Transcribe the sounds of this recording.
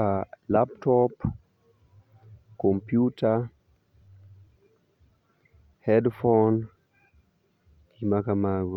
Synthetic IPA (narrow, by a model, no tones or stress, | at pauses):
alaptɔp | kɔmpjuta | hɛdfɔn | ɡimakamaɡɔ